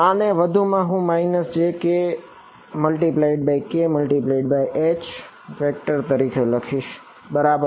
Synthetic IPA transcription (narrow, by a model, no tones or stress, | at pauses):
ãneʋəd̪ʱumãɦũmaːɪnəst͡ʃʰeke | məlʈiplaiɖ̚baikeməlʈiplaiɖ̚baiʔet͡ʃ | fek̚ʈəɾt̪əɾikʰeləkʰiʃ | bəɾabəɾ